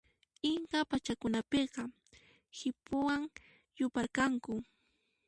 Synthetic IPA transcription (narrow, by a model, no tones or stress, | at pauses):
ɪŋkapat͡ʃakʊnapeqɑ | hɪpʊwaŋ | jʊpaɾkaŋkʊ